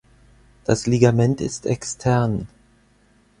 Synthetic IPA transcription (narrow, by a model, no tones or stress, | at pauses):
d̥asliɡamɛntɪ̰stɛkstʰɛʁn